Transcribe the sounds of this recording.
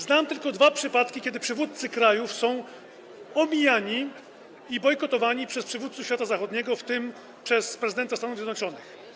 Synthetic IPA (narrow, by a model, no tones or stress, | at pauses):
znamt̪ɘlkɔd̪vapʂɘpat̪kʲikʲɛd̪ɘpʂɘvut̪t̪sɘkɾajufsɔ̃w̃ | ɔmʲijaɲi | ibɔjkɔt̪ɔvaɲipʂɛspʂɘvut̪suɕfʲjat̪azaxɔd̪ɲɛɡɔft̪ɘm | pʂɛspɾɛzɘd̪ɛnt̪ast̪anuvzʲɛd̪nɔt͡ʂɔnɘx